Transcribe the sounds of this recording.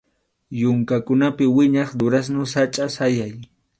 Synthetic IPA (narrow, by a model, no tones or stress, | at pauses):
jʊŋkakʊnapɪwɪɲɑχd̪ʊɾas̬nʊsat͡ʃʼasajaj